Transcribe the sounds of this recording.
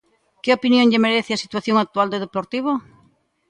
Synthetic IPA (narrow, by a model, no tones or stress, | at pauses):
keopinjõŋʎemeɾeθɪasit̪waθjoŋak̚t̪uald̪eðeploɾt̪iβ̞o